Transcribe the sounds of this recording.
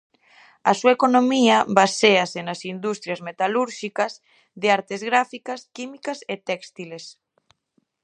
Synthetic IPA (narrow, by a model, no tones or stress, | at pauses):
asuaekonomiɐβaseasenasind̪ust̪ɾjazmet̪aluɾʃikɐz | ðeaɾt̪ezɣɾafikɐskimikaset̪ɛkst̪iles